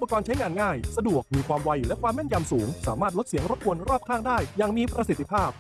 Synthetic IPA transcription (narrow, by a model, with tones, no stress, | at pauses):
u˧pːa˧kɔː˧nt͡ɕʰa˦˥jŋaː˧nŋaː˥˩jsa˧du˨˩ək̚miː˧kʰwaː˧mwa˧jlɛ˦˥ʔkwaː˧mːɛ˥˩nja˧msuː˩˦ŋsa̰ː˩˦maː˥˩t̪̚lo˦˥t̪̚si˩˦əŋɾo˦˥t̪̚ku˧ənɾɔː˥˩p̚kʰaː˥˩ŋdaː˥˩jːa˧ŋmiː˧pɾa˧si˨˩t̪ʰːi˧pʰaː˥˩p̚